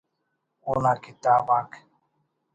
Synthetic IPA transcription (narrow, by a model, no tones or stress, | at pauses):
unakit̪abak